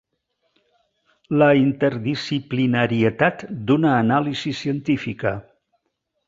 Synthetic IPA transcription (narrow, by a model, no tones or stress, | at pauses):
ləint̪əɾðisiplinəɾiət̪at̪d̪unəːnalizisiənt̪ifikə